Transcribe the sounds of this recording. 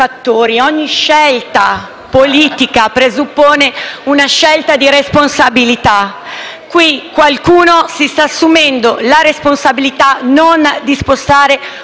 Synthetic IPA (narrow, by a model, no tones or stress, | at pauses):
at̪ːoːɾiɔɲːiʃːɛlt̪a | poliːt̪ikapɾezupːoːneunaʃɛlt̪ad̪iɾesponsabilit̪a | kwikwalkuːnosist̪asːumɛnd̪olaɾesponsabilit̪anond̪ispost̪aːɾe